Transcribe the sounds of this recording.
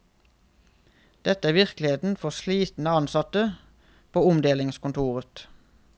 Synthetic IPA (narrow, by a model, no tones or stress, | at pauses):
d̪̥ɛt̪əæːʋɪʁklɪheːt̪n̩fɔʁʃliːt̪n̩əɑnsɑt̪ə | pʰoːʊmd̪eːlɪŋskʊnt̪ʰuːʁət̪